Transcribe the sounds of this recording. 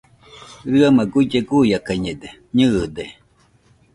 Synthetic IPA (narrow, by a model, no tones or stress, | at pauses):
ɾɨamaɡuid͡ʒeɡujakaɲed̪eɲɨʔd̪e